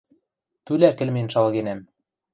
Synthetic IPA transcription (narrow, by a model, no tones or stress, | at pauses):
t̪ylækɘ̆lmenʃɑlɣenæm